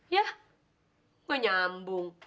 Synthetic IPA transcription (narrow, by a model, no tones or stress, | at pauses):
ja | uɲam̩buŋ